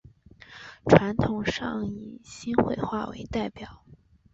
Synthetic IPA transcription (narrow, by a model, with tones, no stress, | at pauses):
ʈ͡ʂʰwa˧˥nt̪ʰʊ˨˩ŋʂɑ˥˧ŋi˨˩ɕi˥nxwe˥˧ɪxwa̰˥˩wḛ˧˥ɪt̪a˥˩ɪpjɑ˨˩˦ʊ